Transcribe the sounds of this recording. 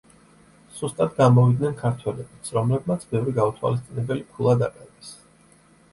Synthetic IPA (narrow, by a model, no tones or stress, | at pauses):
z̥ust̪ʼad̪ɡamɔvid̪nɛnkʰaɾt̪ʰwɛlɛbit̪sʰɾɔmlɛbmat̪sʰbɛvɾiɡaut̪ʰwa̰lis̬t̪sʼinɛbɛlipʰulˠad̪aqʼɛvɛs